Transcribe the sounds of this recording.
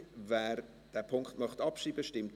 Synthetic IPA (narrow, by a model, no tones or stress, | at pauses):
væːɾ | d̥æːpʰʊŋkχtmœχtɑpʃiːbəʃtɪmt